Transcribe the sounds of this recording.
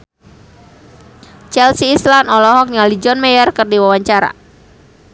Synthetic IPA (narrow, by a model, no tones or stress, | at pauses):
t͡ʃɛlsiːslanɔlɔɦɔk̚ɲalid͡ʒɔnmɛjɔrkɨrdiwawaɲt͡ʃaɾa̰